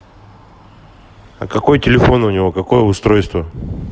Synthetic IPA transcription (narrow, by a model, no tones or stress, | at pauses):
ɐ̰kɐko̞jətʲɪlʲɪfo̞nʊnʲɪvo̞kɐko̞jəʊst̪ɾo̞jst̪və